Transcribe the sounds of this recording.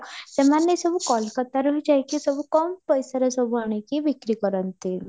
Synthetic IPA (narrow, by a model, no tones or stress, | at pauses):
semanːejsɔbukɔlkɔt̪aɾuɦid͡ʒajkisɔbukɔmpɔjsaɾɔsɔbuaɽ̃ekibikɾikɔɾɔnt̪i